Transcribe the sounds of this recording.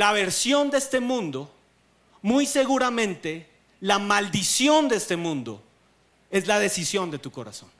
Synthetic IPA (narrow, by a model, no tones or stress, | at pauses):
laβe̞ɾsjo̞nd̪eest̪e̞mũnd̪o̞ | mujse̞ɣuɾamẽnt̪e̞ | lamald̪isjo̞nd̪eest̪e̞mũnd̪o̞̰ | e̞zlað̞e̞sisjo̞nd̪e̞t̪uko̞ɾa̰sõ̞̰n